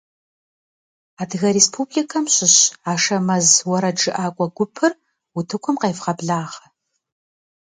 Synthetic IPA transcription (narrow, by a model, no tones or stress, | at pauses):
aːdɣɐɾeːspʰublikʰɐmɕɪɕaːʂɐmɐzwɐɾɐʈ͡ʂɨʔaːkʷʼɔɡʷʊpʰɨr | utʰɨkʷʰʊmqejfqɐbɮaːʁɐ